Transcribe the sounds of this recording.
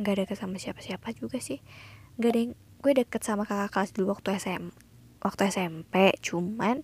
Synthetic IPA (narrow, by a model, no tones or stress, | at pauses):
ŋɡadəkət̪samasiapḁsiapad͡ʒuɡasɪhŋɡadajŋ | ɡ̥uɛdəkət̪̚samakakakalasiduwak̚t̪ujahsɛ | wʔak̚t̪ujahsɛmpɛʔt͡ʃuman